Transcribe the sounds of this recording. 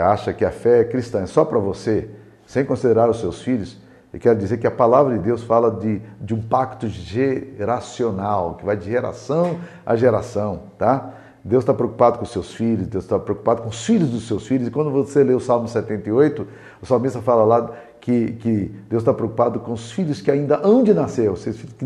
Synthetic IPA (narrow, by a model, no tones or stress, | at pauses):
aʃɐkɪɐfɛɛkɾist̪ɐ̃ɛsɔpɾɐvose | sẽj̃kõsid̪eɾaɾʊsewsfiʎʊs | ewkɛɾʊd͡ʒizeɾkɪɐpalavɾɐd͡ʒɪd̪ewsfalɐd̪ɪd͡ʒɪũpakt̪ʊʒeɾasionawkɪvajd͡ʒɪʒeɾa̰sɐ̃w̃ | ɐ̰ʒeɾasɐ̃w̃t̪a | d̪ewst̪apɾeowku̥pad̪ʊkõʊsewsfiʎʊsd̪ewzst̪apɾeoku̥pad̪ʊkõʊsfiʎʊzd̪ʊsewsfiʎʊzɪkwɐ̃nd̪ʊvoseleʊsawmʊsɛt̪ẽnt̪ɐiojt̪ʊ | ʊsamisɐfalɐla | kɪkɪd̪ewst̪apɾeokupad̪ʊkõʊsfiʎʊskɪaĩnd̪ɐʔɐ̃w̃d͡ʒɪnaseɾosesfilʊskɪ